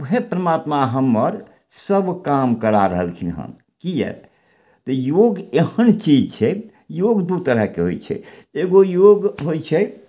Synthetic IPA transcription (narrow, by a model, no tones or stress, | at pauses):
uɦepɾəmat̪maɦəmːəɾ | səbkamkəɾaɾəɦəlkʰinɦə̰m | kijɛ̰ | t̪ɔjoɡehənt͡ʃid͡ʒt͡ʃʰɛ | joɡd̪ut̪əɾəɦkeɦo̰jt͡ʃʰɛ̰eɡojoɡɦojt͡ʃʰɛ